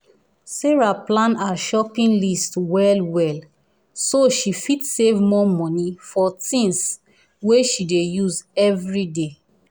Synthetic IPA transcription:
seɹaplãnaʃɔpĩnlistwɛlwɛl | soʃifitsevmɔmɔ̃nifɔtĩns | weʃidejuzɛvɹide

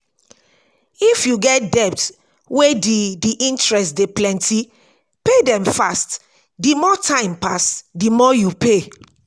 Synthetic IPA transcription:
ifjuɡɛt̚dɛp̚t | wedidiʔĩntɹɛstdeplɛ̃ntʰi | pedɛ̃mfast | dimɔtʰãɪ̃mpasdimɔjupe

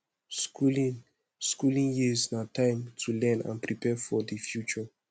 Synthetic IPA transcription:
kul̃ | skulĩŋjiznatʰãɪ̃mtʰulɛ̃nã̰npɹipʰɛfɔdəfjut͡ʃə

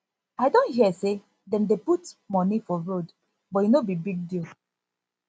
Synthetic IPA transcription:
aɪdõnhiəse | dɛ̃ndeputmɔnifɔɹod | bɔinobibiɡ̚dil

